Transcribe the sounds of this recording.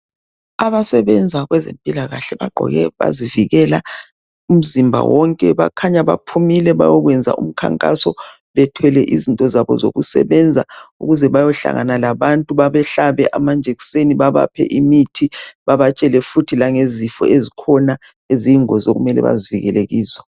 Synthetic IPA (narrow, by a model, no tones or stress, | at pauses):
aβasɛβɛnd͡zʱaɣwɛzempʼilaɣaɬɛβaɡ͡ǃʱɔ̰ɣɛβa̰ziviɣɛla | um̩zimbʱa̰wɔŋkʼɛβa̰kʰaɲaβa̰pʰumilɛβa̰jɔɣwɛnd͡zʱa̰ṵm̩kʰa̰ŋkʼa̰sɔ | βɛtʰwɛlɛʔizintʼɔzaβɔ̰zo̰ɣusɛ̰βɛnd͡zʱa̰uɣuzɛβajɔɬa̰ŋanalaβantʼuβaβɛɬaβɛʔamand͡ʒʱekseniβaβa̰pʰɛ̰ʔimitʰiβaβat͡ʃʼɛlɛfutʰilaŋezifɔ̰ezikʰɔna | eziŋɔzoɣumɛlɛ̰βa̰ziviɣɛleɣiːzɔ